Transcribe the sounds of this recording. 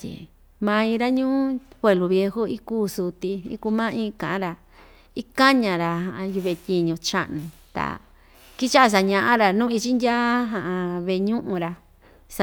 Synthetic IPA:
t̪ʲḭ˨ | mã˧ĩ˧ɾa˦ɲũː˦pwe˧˨lu˨βje˧hu˦i˦kuː˦˨su˧t̪i˧ḭ˦ku˧˦mã˦ĩ˦˧kã˨ʔã˦ɾa˧ | i˦ka˦ɲã˨ɾa˧hã˧˨ʔju˧βe˧t̪ʲi˧ɲũ˧t͡ʃa̰˦ʔnũ˧t̪a̰˨ | ki˦t͡ʃa˦ʔa˧s̬a˧ɲã˧ʔã˦ɾa˨nũː˦˧i˧t͡ʃi˦ndʲa˦ɦã˨ʔã˧βe˧˨˧ɲũ˦ʔũ˧ɾa˧ | s

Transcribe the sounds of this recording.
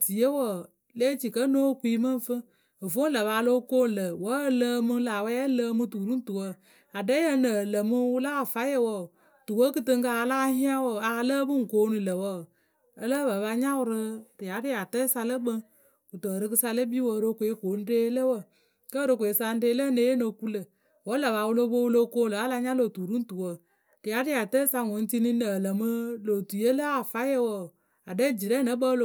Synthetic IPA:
ti˨jə˦wə˨ | le˦t͡ʃi˨kə˦noː˦˨kʷi˦mə˦˨n˨fɨ˦ | ə˨fo˦n˦lə˨βa˧˦lo˦koː˦n˨lə˨wə˨˦ləː˧mɨ˦laː˨wɛ˦ɛ˦lə˦mɨ˧tu˨ɾu˦n̩˦tu˨wə˦ | a˨dɛ˦jə˦nə˨lə˨mɨ˦wʊ˦laː˦˨fa˦jə˦wə˨ | tu˨wə˦kɨ˧tɨ˧ŋka˨˧˦laː˦hi˦a˦wə˨a˨˧˦ləː˦bɨ˦ŋ̩˨koː˦nɨ˨lə˨wə˦˨ | ə˦lə˦bə˨˦βa˧ɲa˦wʊ˧ɾɨ˧ɾi˨a˨˦ɾi˦a˨tə˦sa˧lə˦ɓə˦ | u˨tə˨ɾɨ˦kɨ˧˦sa˧lə˦bi˦wə˨ɾo˧kʷe˨˦koː˨˦n̩˦deː˦lə˦wə˦˨ | kə˦ɾo˧k̬ʷe˨˦sa˧n̩˦deː˦lə˦ne˦je˦no˨ku˦lə˨ | wə˦lə˨βa˨˦wu˦lo˦bo˦wu˦lo˦ko˦˨lə˨a˦la˧˦ɲa˦lo˨tu˨ɾu˦n̩˦tu˨wə˦˨ | ɾi˨ja˨˦ɾi˦a˨tə˦sa˧ŋo˨˦n˦ti˦ni˦ə˨lə˨mɨ˦lo˨tu˨je˦lə˦a˨fa˦jə˦wə˨ | a˨dɛ˦˨d͡ʒi˨ɾɛ˦nə˦ɓə˦lo˨

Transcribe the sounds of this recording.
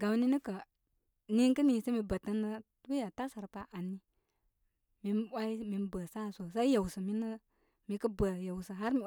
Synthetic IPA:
ɡa˨m˦ni˦nə˦kə˨ | ni˦ŋ˦kə˦ni˨sə˦mi˨bə˨tə˦nːə˦tbi˦ja˨ta˦sa˨ɾpa˦ʔa˨nːi˦ | mi˨nwa˦i˦mi˨n˦bə˨sa˦˨so˨sa˦i˦ja˨wsə˨mi˦nə˦ | mi˨˧kə˦bə˨ja˨wsə˨ɦa˦ɾmi˨

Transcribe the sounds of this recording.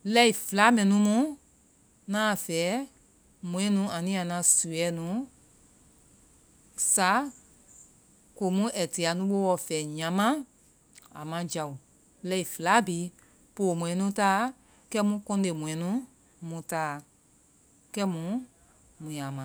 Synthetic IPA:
lɛ˧˦i˨fɨ˨la˨˦mɛ̃˨nũ˧˦mũ˦ | nã˦˨fɛː˨˦ | mũ˨ɛ̃˨˦nũ˨˦ã˨nĩ˦a˨nã˧su˨ɛ˨˦nũ˨˦ | sa˨˦ | ko˨mũ˦ʔɛ˨ti˨a˨nũ˨˦ɓo˦wɔ˧˨fɛː˨˦ɲã˨˦mã˦ | a̰˨mã˧d͡ʒa˨u˨ | lɛ˧i˨fɨ˨la˨˦bi˨˦ | po˨mũ˨ɛ̃˨˦nũ˧˦taː˦ | kɛ˦mũ˦kɔ̃˧˦de˨mũ˨ɛ̃˨˦nũ˨˦ | mũ˧˦taː˦˨ | kɛ˦mũ˨˦ | mũ˨jã˨mã˨

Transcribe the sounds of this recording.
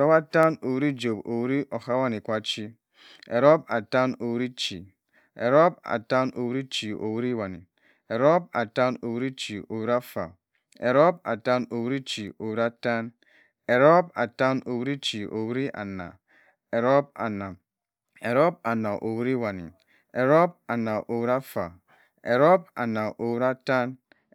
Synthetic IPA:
ɾo˦ba˦ta˦no˨wu˦ɾi˦d͡ʒo˨bo˨wu˦ɾi˦ʔo˨ha˦wa˦ni˨kʷa˦t͡ʃi˦ | ḛ˨ɾo˦ba˨ta˦no˨wu˦ɾi˦t͡ʃi˨ | e˨ɾo˦b̚a̰˨ta˦no˨wu˦ɾi˦t͡ʃi˨o̰˨wu˦ɾi˦wa˨nḭ˨ | e˨ɾo˦b̚a̰˨ta˦no˨wu˦ɾi˦t͡ʃi˨o˨wi˦ɾi˦a˦fa̰˨ | e˨ɾo˦b̚a̰˨ta˦no˨wu˦ɾi˦t͡ʃi˨o˨wi˦ɾi˦a˦ta˦n | e˨ɾo˦b̚a˨ta˦no˨wu˦ɾi˦t͡ʃi˨o˨wu˦ɾi˦ʔa̰˨na̰˨ | e˨ɾo˦b̚a̰˨na˨ | e˨ɾo˦b̚a˨na˨ʔo˨wu˦ɾi˦wa˨nḭ˨ | e˨ɾo˦b̚a˨na˨ʔo˨wɾa˦fa˨ | e˨ɾo˦b̚a˨na˨ʔo˨wu˦ɾa˦ta˦n

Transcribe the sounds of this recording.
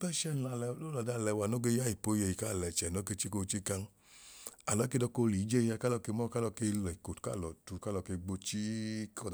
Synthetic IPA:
pɛ˦ʃɛ˦n˨la˨llo˦la˨da˧˨lɛ˨˧˨wa˨no˦ɡe˧˦ja˦i˨po˦je˧˨i˨ka˦˨lɛ˨t͡ʃɛ˨no˨˦ke˧˦t͡ʃi˦ko˧t͡ʃi˦ka˧ŋ˦ | a˨lɔ˨˦ke˧˦dɔ˧ko˧li˨˦d͡ʒe˦˧ja˧ka˦lɔ˧ke˧˦mɔ˦ka˦lɔ˧ke˧lɔ˨i˨ko˨tu̥˨ka̰˦˨lɔ˨tu˨˧ka˦lɔ˧ke˧ɡ͡bo˧t͡ʃi˦kɔ˧˨

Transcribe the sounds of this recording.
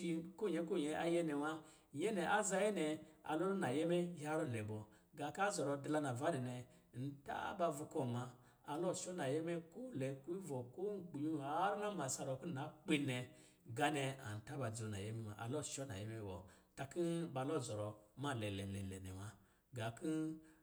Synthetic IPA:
i˧ku˦˨ɲɛ˧˦ku˦˨ɲɛ˧a˦jɛ˦nɛ˨wa˦ | jɛ˦nɛ˨ʔa˦za˧˦jɛ˦nɛ˧a̰˨lɔ˦na˨jɛ˦mɛ˦ja˦ɾɔ˦˨nɛ˨bɔ˨ | ɡa˨ka˦zɔ˨ɾɔ˧dla˧na˨va˦dɛ˨nɛ˨ | n̩˨ta̰˦ba˧vu˧kɔ˨ma˧ | a˨lɔ˦ʃɔ˦na˨jɛ˦mɛ˦ku˦lɛ˨ku˦vɔ˨ku˦k͡pi˨ɲu˦a˨˦ɾna˦ma˨sa˧ɾɔ˨ki˦na˨˦k͡pi˦nɛ˧ | ɡa˦nɛ˧a̰˨n̩˨ta˦ba˨d͡zo˨na̰˨jɛ˦mɛ˦ma̰˨ʔa̰˨lɔ˦˨ʃɔ˦na̰˨jɛ˦me˦wɔ̰˨ta˧ki˦ba˧lo˦˨zɔ˨ɾɔ˨ma˦˨lɛ˨lɛ˨lɛ̰˨lɛ̰˨nɛ̰˨wa˦ | ɡa˨ki˦

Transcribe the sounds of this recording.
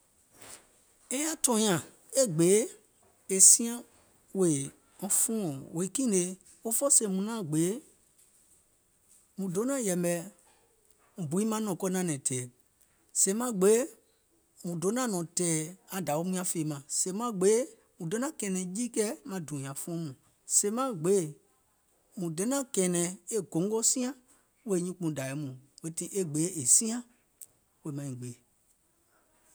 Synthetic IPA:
e˦a˦tɔ̃˧˦ã˨ | e˦ɡ͡beː˨˦ | e˨sĩ˦ã˦ | we˨ | ɔ̃˨fũ˦ɔ̃˨wo˨i˦kĩ˦˨ne˨˦ | o˦fɔ˦se˨mũ˨nã˦˨ɡ͡be˨˦ | mũ˨do˨˦nã˦˨jɛ˨mbɛ˨ | m̩ũ˨bu˨i˦mã˦nɔ̃˨kɔ˧˦nã˦˨nɛ̃˨tʰɛː˨ | sẽ˨˦mã˦˨ɡ͡be˨˦ | mũ˨do˨˦nã˦˨nɔ̃˨tɛː˨a˨da˨wo˦mũ˦ã˦feː˨mã˨se˨˦mã˨˦ɡ͡be˨˦ | mũ˨do˨˦nã˦kɛ̃ː˨nɛ̃˨jiː˦kɛ˦mã˨dũ˨jã˨fũ˦mũ˨ | se˨˦mã˦ɡ͡be˨˦˨ | mũ˨dɛ̃˨˦nã˦kɛ̃˨nɛ̃˨˦e˦ɡõ˨˦ŋɡɔ˦sĩ˦ã˦ | we˦˨˦ɲĩ˦k͡pũ˧˨da˨ɛ˨˦mũ˨we˦tĩ˦ʔe˦ɡ͡beː˨˦e˨sĩ˦ã˦ | we˧˨mã˨ɲĩ˨ɡ͡be˨

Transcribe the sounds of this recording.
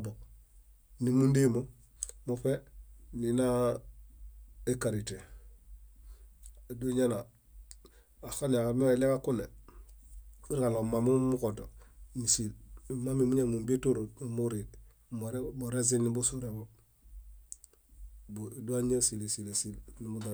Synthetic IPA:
bo | ni˨mu˦ndi˦mo˨ | mofe˦nina | ekaɾite˨ | do˦ɲa˦na˨ | a˨xa˦na˨kame˦ele˦ka˦ku˦ne˨ | i˦ɾalo˨ma˨mu˦mu˦koto˨isi˨lma˦mi˨mu˦ɲa˦mu˨mbi˦tu˦ɾo˨nimuɾi˨d̚ | moɾemuɾez̬i˦ni˦busuɾebo | bdu˦a˦ɲa˦si˨le˨si˨le˨silnimuda

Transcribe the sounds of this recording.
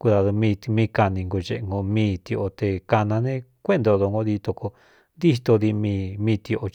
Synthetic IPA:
ku˧ða˧ðu˧mĩ˧mĩ˧ka˧nĩ˧ŋɡo˧t͡ʃe˧ʔŋɡo˧mĩː˦t̪i˧o˧t̪e˧ka˧nã˧nẽ˦kʷe˦nd̪o˧ðo˧ŋɡo˧ði˧t̪o˧ko˧ | nd̪i˦ht̪o˧ði˧mĩ˧mĩː˧t̪i˧o˧

